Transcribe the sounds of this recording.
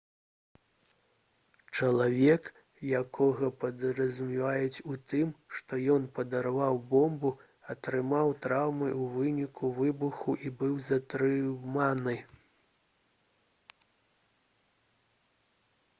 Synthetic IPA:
t͡ʂɐlˠavʲɛk | jakʰɔɣɐpɐd̪ɾɐzʲumʲivajɛt͡sʲut̪ɨmʂt̪ɔjɔnpɐd̪ɐɾavawbɔmbu | ɐt̪ɾɨmawt̪ɾawmɨʔuvɨnʲikʰuvɨbuxuʔibɨwzɐt̪ɾɨmanɨ

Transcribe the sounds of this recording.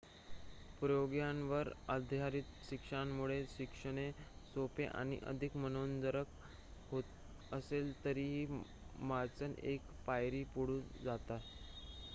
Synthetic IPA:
pɾəjoɡjanʋəɾəd̪ʱjaɾit̪ɕikʂamːuɭeɕikʂəɽ̃esopeʔa̰ɽ̃ḭʔə̰d̪ʱikmənond̪əɾək | ɦot̪ | əselt̪əɾiɦiː | maɾt͡sənḛk | pajɾiːpuɽ̤ud͡zat̪at̪

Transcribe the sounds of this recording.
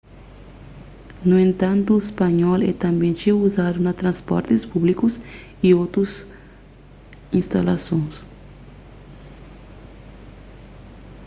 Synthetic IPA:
nuẽnt̪ãnt̪ʊespaɲɔlɛ̰t̪ãmbẽt͡ʃiuzad̪unɐt̪ɾãnspɔ̰ɾt̪ɪspublikʊs | iowt̪ɾʊs | ĩnst̪alasõŋs

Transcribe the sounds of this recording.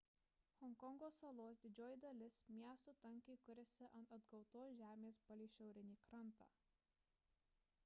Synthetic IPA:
hɔŋkɔŋɡoːsɐlˠoːs̬d̪ʲɪd͡ʒʲoːjɪd̪ɐlʲɪsmʲiɛst̪uːt̪ɐŋʲˑkʲɛɪkʊɾʲɛsʲɪʔɐnt̪ɐd̪ɡɒʊt̪oːsʒʲæːmʲeːsbɐlʲiːʃʲɛʊɾʲɪnʲiːkɾɐnˑt̪ɑ̰ː

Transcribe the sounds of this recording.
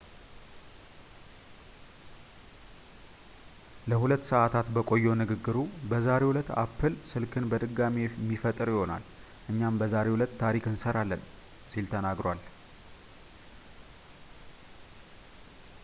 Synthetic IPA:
ləhulət̪ːsəʔat̪ʰat̪bəkʼo̞jːonɨɡɨɡːɨɾubəzaɾe̞wulət̪ːa̰pʰːɨlsɨlkʰɨnbəd̪ɨɡːamimːifət̪ʼɨɾjɪho̞na̰l | ʔɨɲːambəzaɾehulət̪ːʰaɾikɨnsəɾalːən | silt̪ʰənaɡɾwal

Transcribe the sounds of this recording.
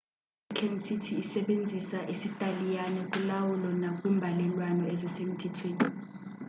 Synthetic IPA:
it͡ɬʰenisitʰiːsɛɓend͡zʱisaʔesitʼalijanɛkʼulawulɔnakʼwiːmbʱalɛlwanɔezisem̩tʰɛtʰweːni

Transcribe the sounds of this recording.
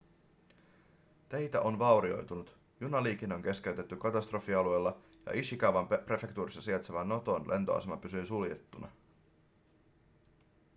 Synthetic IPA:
t̪ejt̪æʔo̞nʋɑwɾio̞jt̪unut̪ | junɑliːk̟ino̞ŋk̟e̞sk̟e̞yɥt̪e̞t̪ːykɑt̪ɑst̪ro̞fiɑlue̞lːɑ | jɑ̰ʔisikɑwʋɑmpre̞fe̞kt̪uːɾisːɑsiet̪seʋænːo̞t̪o̞nlʔe̞̰nt̪oɑ̰semɑpysyjsuljḛt̪ːunɑ̰

